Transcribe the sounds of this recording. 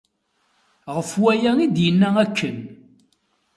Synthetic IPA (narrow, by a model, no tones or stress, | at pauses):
ʁəfwæjæid̪jənːæækːən